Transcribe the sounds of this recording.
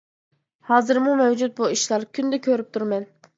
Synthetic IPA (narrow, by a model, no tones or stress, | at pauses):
hɑːzɨɾmumɛwd͡ʒut̪̚buiʃlˠɑɾkʲʰynd̪ɛkʲʰøɾyp̚t̪ʰuɾmɛn